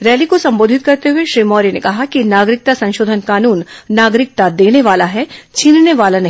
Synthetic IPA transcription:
ɾɛːlikosɐ̃mboːd̪ʱɪt̪̚kɐɾt̪eɦʊeʃɾiːmɔːɾinekɐɦakinaːɡɾɪk̚t̪asɐ̃nʃoːd̪ʱənkaːnuːnːaːɡɾɪk̚t̪ad̪eːneʋaːlaɦɛt͡ʃʰiːnneʋaːlanɐɦ

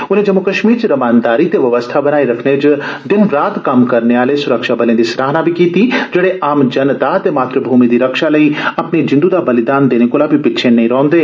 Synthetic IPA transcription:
ʊnɦẽd͡ʒɐmːukɐʃmiːɾt͡ʃeɾɐmaːnd̪aːɾit̪eʋjɐʋəst̪ʰabɐnaːiɾɐkʰned͡ʒd̪ɪnɾaːt̪kamkɐɾneaːlesʊɾəkʃabɐlẽd̪isɾaːɦnabʱikiːt̪id͡ʒɐɽeʔaːmd͡ʒɐnt̪aɦt̪emaːt̪ɾəbʱuːmid̪iɾɐkʃalɐiɐpnid͡ʒɪ̃nd̪ud̪abɐlɪd̪aːnd̪eːnekolabʱipɪtːʃʰẽnɐĩɾɔ̃ːnd̪eː

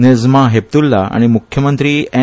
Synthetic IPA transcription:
ned͡zmaɦep̚t̪ulːaa̰ɽ̃imukʰjəmənt̪ɾiːɛ̃

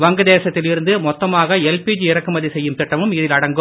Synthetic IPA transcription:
ʋɐŋɡɐðeːsɐt̪ːɪlɪɾɯnd̪ɯmɔt̪ːɐmaːɣɐɛlpiːd͡ʒiɪɾɐkːɯmɐðisɛjːɯmt̪ɪʈːɐʋɯmɪðɪlɐɽɐŋɡɯ

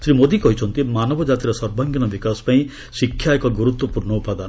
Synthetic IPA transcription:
sɾimod̪ikɔɦit͡ʃʰɔnt̪imanɔbɔd͡ʒat̪iɾɔsɔɾbʱaŋɡjɔnɔbikaspaĩ | sikʰːjaekɔɡuɾut̪wɔpuɾɳɔupad̪an

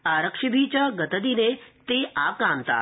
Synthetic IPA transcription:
aɾəkʂibʱit͡ɕjaɡət̪əd̪inet̪eakant̪a̰

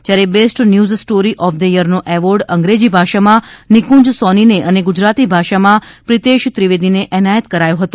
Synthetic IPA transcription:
t̪jaɾebesʈnjuzsʈoɾiʔɔfd̪əjəɾnoʔɛʋəɾɖə̃ŋɡɾed͡ʒibʱaʃamãnɪkũd͡ʒsɔnineʔəneɡʊd͡ʒɾat̪ibʱaʃamãpɾit̪eʃt̪ɾiʋed̪ineʔɛnajət̪kəɾajoɦət̪õ

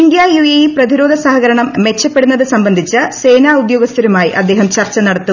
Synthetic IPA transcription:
nd̪jaːjujejiprɐðiɾo̞ːd̪ʱɐsɐɦɐɣɐɾɐɳɐmːe̞t͡ɕːɐpːe̞ɽunːɐðɨsɐmbɐnd̪ʱit͡ɕːɨse̞ːnaːud̪jo̞ːɡɐst̪ʰɐɾumaːjiʔɐd̪ːe̞ːɦɐmt͡ɕɐrt͡ɕːɐnɐɽɐt̪ːu

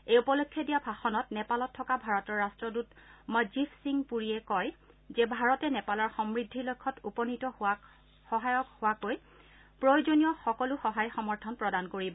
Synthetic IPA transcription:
ejupɔlokʰːjɔdijabʱaxɔnɔtnɛpalɔtʰːɔkabʱaɹɔtɔɹːastɹɔdutmɔjzipʰsiŋpuɹiɛkɔj | zɛbʱaɹɔtɛnɛpalɔɹxɔmɹidʱːilojkʰːɔtupɔnitɔ | hɔɦajɔkhowakoj | pɹojzonijɔxɔkɔlʊxɔɦajxɔmɔɹtʰɔnpɹɔdankoɹibɔ

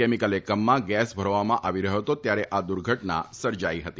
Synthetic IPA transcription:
emikəlekəmːãɡɛsbʱəɾʋamãʔaʋiɾəɦjot̪ot̪jaɾeʔad̪uɾɡʱəʈna̰səɾd͡ʒaiɦət̪iː

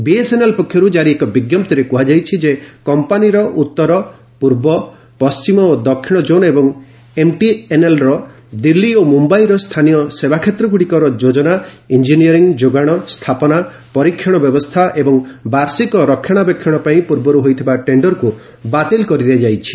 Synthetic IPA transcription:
biesenelpɔkʰjɔɾud͡ʒaɾiekɔbiɡjɔmt̪iɾekuɦad͡ʒajt͡ʃʰid͡ʒekɔmpaniɾɔʔut̪ːɔɾɔ | puɾbɔ | pɔst͡ʃimɔod̪ɔkʰːiɽ̃ɔd͡ʒonebɔŋ | emʈienelɾɔ | d̪ilːiomumbajɾɔst̪ʰanijɔsebakʰet̪ɾɔɡuɽikɔɾɔd͡ʒod͡ʒɔna | ind͡ʒiniɔɾiŋd͡ʒoɡaɽ̃ɔst̪ʰapɔna | pɔɾikʰːjɔɽ̃ɔbjɔbɔst̪ʰaʔebɔŋbaɾsikɔɾɔkʰːjɔɽ̃abekʰjɔɽ̃ɔpaĩpuɾbɔɾuɦojt̪ʰibaʈeɳɖɔɾku | bat̪elkɔɾid̪ead͡ʒajt͡ʃʰi̥

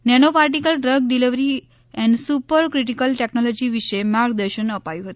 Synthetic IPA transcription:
nɛñopaɾʈ̬ikəlɖɾəɡ̚ɖiliʋɾi | ɛ̃ɳɖsupəɾkɾiʈ̬ikəlʈeknɔlɔd͡ʑiʋiɕəjmaɾk̚d̪əɾɕənəpajuɦot̪e̥

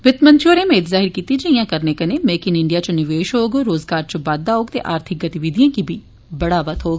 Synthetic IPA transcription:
ʋɪt̪mənt͡ʃʰoːɾẽːmẽɪt̪zaːɦɪɾkiːt̪iːd͡ʒeĩjãːkəɾneːkəneːmeːkɪnɪɳɖiaːt͡ʃnɪʋeːʃɦoːɡɾoːzɡaːɾt͡ʃəbaːd̪̚ːaːɦoːɡt̪ḛːʔaːɾt̪ʰɪk̚ɡət̪ɪʋɪd̪ijãːkiːbʱiː | bəɽaːʋət̪ɦoːɡ

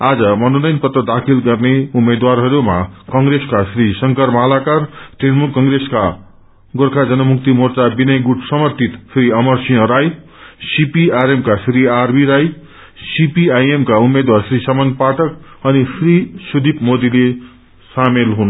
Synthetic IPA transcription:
ad͡zʌmʌnunʌjnpʌt̪rʌd̪akʰilɡʌrneumːed̪warɦʌɾumakʌŋɡɾeskasrisʌŋkʌrmalakarʈenmulkʌŋɡɾeska | ɡorkʰad͡zʌnʌmuk̚t̪imort͡sabinʌjɡuʈʰsʌmʌrt̪ʰit̪pʰɾiʌmʌrsĩjʌ̃ɾaj | sipiaɾemkasɾiarbiɾaj | sipiajemkaumed̪warsrisamʌnpaʈʰʌkʌnisʰrisud̪ipmod̪ile | samelɦun

